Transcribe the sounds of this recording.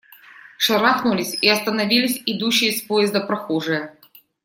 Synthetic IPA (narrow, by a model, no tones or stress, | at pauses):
ʂɐɾaxnʊlʲɪsʲɪɐst̪ənɐvʲilʲɪsʲɪd̪uɕːɪjəspojɪzd̪əpɾɐxoʐɨjə